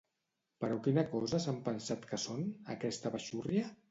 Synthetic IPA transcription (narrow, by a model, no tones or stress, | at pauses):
pəɾɔkinəkɔzəsampənsat̪kəsonə̰kɛst̪əβəʃuriə